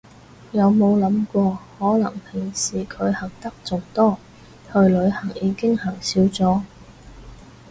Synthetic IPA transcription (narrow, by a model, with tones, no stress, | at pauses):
jɐ˨˧wmo˨˧wlɐ˨˥mkʷɔː˧hɔː˨˥lɐ̰˨˩ŋpʰɪ˨˩ŋsiː˨˩kʰɵ˨˧ɥhɐ˨˩ŋ̚t̪ɐ˥k̚t͡sʊ˨ŋt̪ɔː˥ | hɵ˧ɥlɵ˨˧ɥhɐ˨˩ŋjiː˨˧kɪ˥ŋhɐ˨˩ŋsiː˨˥wt͡sɔː˨˥